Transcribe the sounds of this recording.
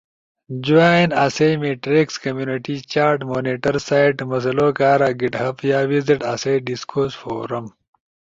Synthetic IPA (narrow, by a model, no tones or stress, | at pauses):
d͡ʑuaːinasejmeːʈɾeːkskɐmjuːniʈit͡ɕaːɾʈmoːniːʈɐɾsaːjʈmɐs̬ɐloːkaːɾaːɡiʈɦɐpjaːwiziʈasejɖiskoːsfo̰ːɾɐm